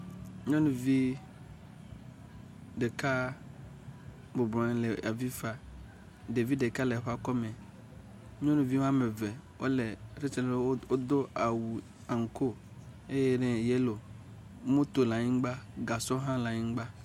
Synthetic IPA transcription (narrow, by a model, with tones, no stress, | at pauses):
ɲɔ̃˦nũ˨vi˦ | ɖe˨ka˦ | bo˨blɔ̃˨˦lɛ˨a˨vi˦fa˨ | de˨vi˦de˨ka˦le˨ɸa˦kɔ˦mẽ˨ | ɲɔ̃˦nũ˨vi˦wã˦me˨vɛ˨wʔo̰˦le˨ɾe˦t͡ʃe˦le˦lo˦o˦d̪o˦a˨wu˨ | a˨ŋ̩˨ko˦ | e˦jɛ˦nɛ̃˨je˦lo˨˦ | mõ˦t̪o˨la˨ɲĩ˦ɡ͡ba˦ɡa˨sɔ˦ɦã˦la˨ɲĩ˦ŋ˦ɡ͡ba˦